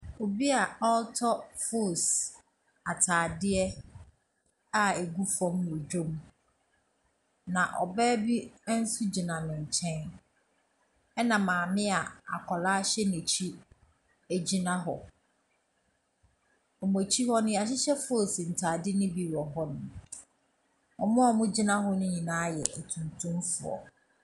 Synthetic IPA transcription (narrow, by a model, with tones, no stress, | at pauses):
o˨bi˦a˨ɔ˦ltʰɔ˦fo˦˨s | a˨tʰaː˨dɪ˦ɛ˦ | a˨e˨ɡu˦fɔ̃˦mñ˨d͡ʑᶣõ˦m˦ | nã˨ʔɔ̰˨bɛː˦bi˦n̩˦su˦d͡ʑi˨nã˨nʊ̃˨ɲ̩˨t͡ɕʰɛ̃˦n | ɛ˦nã˨mãː˨mɪ̃˦a˨a̰˨kʰɔ˨laː˦ɕɛ˦ne˨t͡ɕʰi˦ | æ˨d͡ʑi˦nã˦ɦɔ˨ | ɔ˨m˨o˨t͡ɕʰi˦ɦɔ˦nʊ̃˦a˨ɕ̬ɪ˦ɕɛ˦fʊ˦ɔ˦˨sĩ˨n̩˨tʰaː˨dɪ˦nɪ̃˦bi˨wɔ˨ɦɔ˦nʊ̃˨ | ɔ˨mɔ̃˦ɔ˨mʊ̃˦d͡ʑi˦nã˦ɦɔ˦nʊ̃˦ɲĩ˨nãː˨˦jɛ˨ʔæ˨tʰũ˨ntʰũ˦mfʊ˨ɔ̰˨